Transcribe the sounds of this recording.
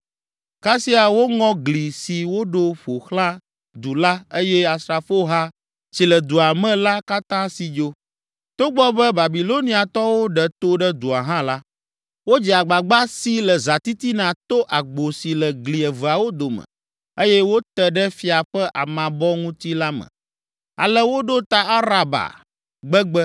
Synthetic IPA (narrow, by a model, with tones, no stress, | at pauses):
ka˦si˦a˨wo˦ŋɔ̃˦ɡli˨si˨wo˦ɖo˦ɸo˨xlã˦ | d̪u˨la˦e˦jɛ˦a˨sɾa˨fo˦ɦa˦ | t͡ɕi˨lɛ˨d̪u˨a˨mɛ̃˦la˦ka˦t̪ã˦si˨d͡ʒo˦ | t̪o˦ɡ͡bɔ˦bɛ˦ba˨bi˨lo˦nĩ˦a˨t̪ɔ˦wo˦ɖɛ˨t̪o˦ɖɛ˦d̪u˨a˨ɦã˦la˦ | wo˦d͡ʑi˨a˨ɡ͡ba˨ɡ͡ba˦si˦lə˨za˨t̪i˦t̪i˦nã˨t̪o˦ʔa˨ɡ͡bo˨si˨lə˨ɡli˨ɛ˨və˨a˨wo˦d̪o˨mə̰̃˨ | e˦jɛ˦wo˦t̪ə˦ɖɛ˦fi˦a˨ɸɛ˦ʔa̰˨mã˨bɔ˦ŋũ˦t̪i˦la˦mə̰̃˨ | a̰˨lə˦wo˦ɖo˦t̪a˦a˦ɾa˨ba̰˨ | ɡ͡bə˦ɡ͡bɛ˦